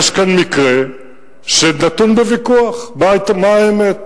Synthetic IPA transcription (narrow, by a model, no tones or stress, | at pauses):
ʃkanmikʁe | ʃenat̪unbevikuaχmat̪amaaemet̪̚